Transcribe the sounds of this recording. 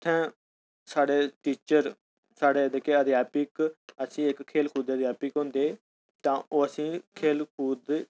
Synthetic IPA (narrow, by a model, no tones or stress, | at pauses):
t̪ʰːɛ̃ː | saːɽeːʈiːt͡ʃəɾ | saːɽeːd̪ekeːəd̪ijaːpɪkəsĩːɪkʰːeːlkʰuːd̪ːd̪jaːpɪkɦʊ̃nd̪eː | t̪ãːoːəsĩːkʰeːlkʰuːd̪